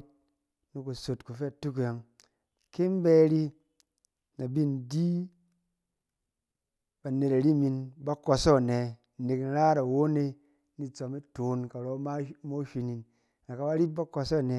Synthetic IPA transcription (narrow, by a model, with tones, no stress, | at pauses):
t̚ | nu˨ku˨so˨tku˨fe˦a˨tu˦k̬ja˨ŋ | ke˦m˦be˦ɾi˦ | na˨bi˦n˨di˦ | b̥a˨ne˨ta˨ɾi˦˨mi˧nba˦ko˧sɔ˦˨ne˨ | ne˨kn̩˦ɾa˦ɾa˨wo˦ne˧ | ni˦t͡so˨mi˦toː˨nka˨ɾɔ˦ma˦mo˦ʃi˧ni˨n | na˨ka˨ba˦ɾi˦p̚ba˦ko˧sɔ˦˨ne˨˦